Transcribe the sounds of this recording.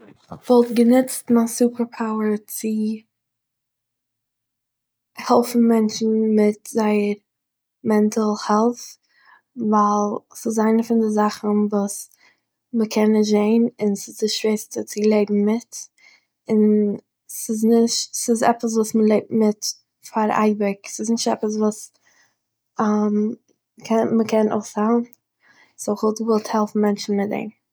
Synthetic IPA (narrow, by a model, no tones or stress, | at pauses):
vɔlˠtɡənʊt͡stmasuːpʰəɾpʰaʊəɾt͡sɪ | hɛlˠfn̩mɛnt͡ʃn̩mɪtzaɪəɾ | mɛntʰalˠhɛlˠf | vaɪlˠsɪzaɪnəfɪndɪzaχn̩vuːs | məkʰɛnɪʒeɪnɪnsɪzdɪʃveːstət͡sɪlˠeɪbm̩mɪt | ɪn | sɪznɪʃtsɪzɛ̰pəs̬vuːsməlˠeɪp̚tmɪt | faɾʔa̰ɪbɪksɪsnɪʃtɛ̰pəs̬vuːs | am | kʰɛməkʰɛnʔo̰ʊshɛln | soʊχɔltɡəvɔlˠthɛlˠfn̩mɛnt͡ʃn̩mɪt̚dḛɪn